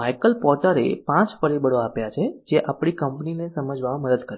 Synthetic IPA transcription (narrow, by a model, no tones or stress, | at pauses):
ajkəlpɔɾʈəɾḛpãt͡ʃfəɾibəɽoapjat͡ʃʰed͡ʒeʔapɳ̃ikəmpninesəməd͡ʒʋaãməd̪əd̪kəɾe